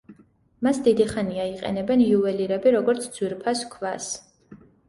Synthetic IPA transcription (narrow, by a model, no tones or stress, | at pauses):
masd̪id̪iχaniaiqʼɛ̰nɛbɛnjuɛliɾɛbiɾɔɡɔɾt̪sʰd̪z̥wiɾpʰaskʰvas